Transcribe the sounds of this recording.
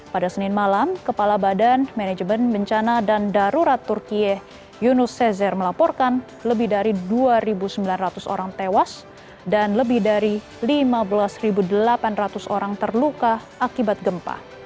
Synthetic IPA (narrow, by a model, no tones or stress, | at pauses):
padasənɪnmalamkəpalabadanmɛnɛd͡ʒmənbəɲt͡ʃanadandaɾuɾat̪ːurkiɛ | junusɛzɛrməlapɔrkan | ləbɪhdaɾiduaɾibusəmbilanrat̪uso̰ɾaŋt̪ewas | danləbɪhdaɾi | limabəlasribudəlapanrat̪usoɾaŋt̪ərlukaʔakibat̪̚ɡəmpa̰